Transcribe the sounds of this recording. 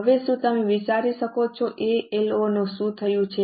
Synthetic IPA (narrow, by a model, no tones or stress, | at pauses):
əʋeʃũt̪əmeʋit͡ʃaɾiʃəkot͡ʃʰoʔeelonũʃũt̪ʰəjũt͡ʃʰe